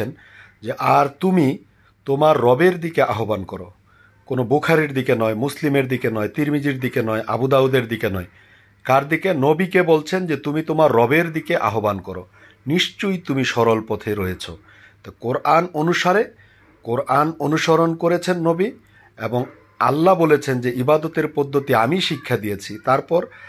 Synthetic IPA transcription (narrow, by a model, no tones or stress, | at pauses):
en | d͡ʑeʔaɾt̪umi | t̪omaɾːɔbeɾd̪ikeʔaɦobankɔɾo̰ | konobukʰaɾiɾd̪ikenɔemuslimeɾd̪ikenɔet̪iɾmid͡ʑiɾd̪ikenɔeʔa̰bud̪awd̪eɾd̪ikenɔe | kaɾd̪ikenobikebolt͡ɕʰend͡ʑet̪umit̪omaɾːɔbeɾd̪ikeʔa̰ɦobankɔɾo̰ | niʃt͡ɕujt̪umiʃɔɾolpɔt̪ʰeɾoet͡ɕʰo̰ | t̪ɔkoɾʔanonuʃaɾe | koɾanonuʃoɾonkoɾet͡ɕʰenːobi | eboŋ | a̰lːabolet͡ɕʰend͡ʑeʔibad̪ot̪eɾpod̪ʱːot̪iamiʃikʰːad̪ijet͡ɕʰit̪aɾpɔɾ